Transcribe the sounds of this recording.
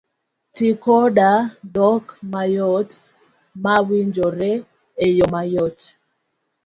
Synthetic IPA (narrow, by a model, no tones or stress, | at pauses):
tikɔɗadɔkmajɔt | mawiɲd͡ʒɔɾɛ | ejɔmajɔt